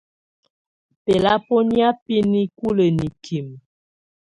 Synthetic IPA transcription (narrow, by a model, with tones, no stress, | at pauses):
pe˨la˦po˦nja˦pi˦ni˦ku˦lə˨ni˨kʰi˨m